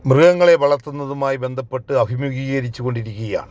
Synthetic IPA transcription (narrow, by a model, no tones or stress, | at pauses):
mrɨɣɐŋːɐɭe̞ʋɐɭɐrt̪unːɐðumaːjibe̞nd̪ʱɐpːe̞ʈːɨɐbʱimjuɣiːɣɣɐɾit͡ɕːuɣo̞ɳɖiɾikʲːuɣɐja̰ːɳɨ